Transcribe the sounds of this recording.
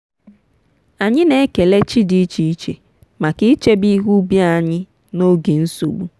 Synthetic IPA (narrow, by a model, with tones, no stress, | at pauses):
a˨ɲɪ˦ne˦ke˨le˦t͡ʃi˦di˦t͡ʃi˨i˦t͡ʃe˨ | ma˨kɪ˦t͡ʃe˦bi˦ɦu˦bja˦˨ɲɪ˦ | no˦ɡe˨n̩˦so̰˨ɡ͡bu˦